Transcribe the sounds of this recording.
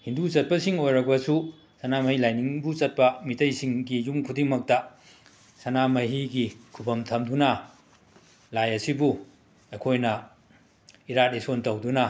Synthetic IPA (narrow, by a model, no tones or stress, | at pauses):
hindut͡ʃɐt̚pɐsiŋojɾɐk̚bɐsu | sɐnamɐhilajniŋbut͡ʃɐt̚pɐmitʰɐjsiŋɡijumkʰudiŋmɐk̚tɐ | sɐnamɐɦiɡikʰubɐmtʰɐmdunɐ | lajɐsibu | ekʰojnɐ | iɾat̚esontɐwdunɐ